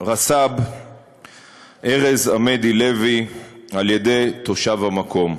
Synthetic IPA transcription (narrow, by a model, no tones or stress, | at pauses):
ʁasab | ʔeʁe̞zamed̪ile̞vialje̞de̞jt̪o̞ʃavhamakʰo̞m